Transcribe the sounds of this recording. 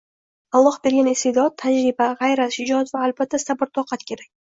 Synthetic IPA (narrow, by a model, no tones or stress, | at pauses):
alˠːɒhbe̞ɾɡʲanɪst̪ed̪ɒt̪̚t̪ʰːad͡ʒɾɪbaʁajɾat̪hɪd͡ʒɒt̪vaːlbat̪ʰːasabɪɾt̪ʰɒqʰɑt̪kʲʰe̞ɾak̚ʲ